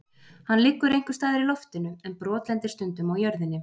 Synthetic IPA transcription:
hanːlɪːkːʏɾejŋ̥kʏ̥st̪aːðɪɾilɔft̪ɪnʏɛnpɾɔːt̪lɛnt̪ɪ̥st̪ʏnt̪ʏmaɣjœɾðɪnːɪ

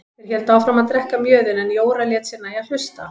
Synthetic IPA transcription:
ɛɾ̥çɛlt̪aːwfɾamaðt̪ɾɛhkamjœːðɪnɛnjoːwɾaljɛːt̪sɪnːaiaðl̥ʏst̪a̰

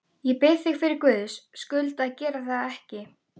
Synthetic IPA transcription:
jɛpɪθɪɣfɪɾɪɾkvʏːðʏsːkʏlt̪aðcɛːɾaθaðɛhcɪ

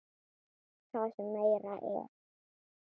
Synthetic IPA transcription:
θaðsɛmmːeːjɾaʔɛ̰ɾ̥

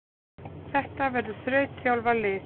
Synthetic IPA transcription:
θɛht̪avɛɾðʏθɾœːɥt̪sjawlvalɪː

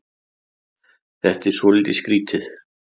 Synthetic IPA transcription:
θɛht̪ɛɾ̥svɔliːt̪ɪskɾiːt̪ʰɪθ

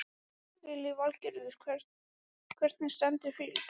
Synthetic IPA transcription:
ɾɪlɪvalcɛɾðʏɾ̥ʰ | kʰvɛɾ̥t̪nɪ̥st̪ɛnt̪ɪ̥fɪl

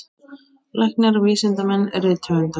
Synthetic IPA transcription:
lajhknaɾɔviːsɪnt̪amɛnːɛɾɪt̪ʰœʏnt̪a

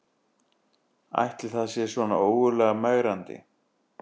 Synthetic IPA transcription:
a̰jht̪ːɪlθaðsjɛ̥svɔna̰oːwɣʏlɛːɣamaːɣɾant̪ɪ̰

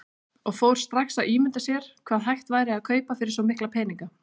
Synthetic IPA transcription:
ɔɣfowɾ̥st̪ɾaxsaðiːmʏnt̪asjɛɾ̥kʰvaːðɦajht̪vaːjɾɪaðkʰœːɥpafɪɾɪɾsɔmɪhklapʰɛːniŋka

